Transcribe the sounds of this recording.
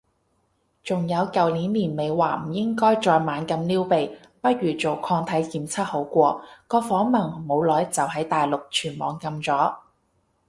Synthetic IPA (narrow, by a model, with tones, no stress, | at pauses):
t͡sʊ˨˩ŋjɐ˨˧wkɐ˨wliː˨˥nliː˨˩nme˨jwaː˨˩m̩˨˩jɪ˥ŋkɔː˥jt͡ʃɔː˧jmaː˨˧nkɐ˧mliː˥wpe˨j | pɐ˥t̚ɥyː˨˩t͡so˨wkʰɔː˧ŋt̪ʰɐ˨˥jjiː˨˩mt͡sʰɐ˥t̚ho˨˥wkʷɔː˧kɔː˧fɔː˨˥ŋmɐ˨˩ŋmo˨˧wlɔː˨˥jt͡sɐ˨wɦɐ˨˥jt̪aː˨jlʊ˨k̚t͡ʃʰyː˨˩nmɔ̰ː˨˥ŋkɐ˧mt͡sɔː˨˥